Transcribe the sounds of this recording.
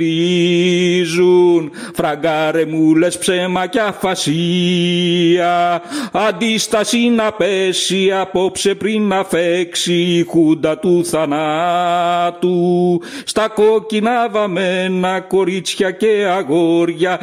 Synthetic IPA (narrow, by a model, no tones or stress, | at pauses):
i | zun | fɾɐɡɐɾemule̞spsemɐcɐfɐsi | ɐɐnd̪ist̪ɐsinɐpesiɐpo̞pse̞pɾinːɐfeksixund̪ɐt̪uθɐnɐ | t̪ust̪ɐko̞cinɐvɐmenɐko̞ɾit͡sçɐceɐɣo̞ɾʝɐ